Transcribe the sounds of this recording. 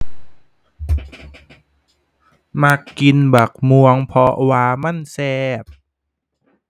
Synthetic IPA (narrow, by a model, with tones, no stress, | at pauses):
ma˧˥kːi˧nba˨˩k̚mu˧əŋpʰɔ˧ʔwaː˧ma˧˥˨nsɛː˧p̚